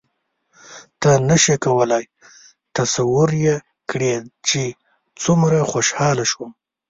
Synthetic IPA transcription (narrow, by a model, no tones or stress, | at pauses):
t̪anaʃekawəlaj | t̪asawʊɾje | kɽet͡ʃe | t͡sumɾaxoʃhɑlaʃwum